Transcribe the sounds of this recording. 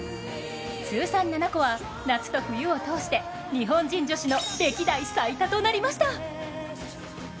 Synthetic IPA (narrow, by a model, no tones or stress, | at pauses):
t͡sɨːsãnːanako̞βa | nat͡sɨ̥t̪o̞ɸɯ̟jɯ̟o̞t̪o̞ːɕi̥t̪e̞ | ɲ̟iɦõ̞ɲd͡ʑĩɲd͡ʑo̞ɕino̞b̪e̞kʲid̪aisait̪at̪o̞naɾʲimaɕi̥t̪a